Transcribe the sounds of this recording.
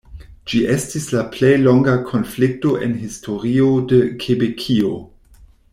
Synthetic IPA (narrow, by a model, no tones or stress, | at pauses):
d͡ʒiʔestislaplejlo̞ŋɡakʰo̞nflik̚to̞ʔenɦistʰo̞ɾiodəkʰebekʰio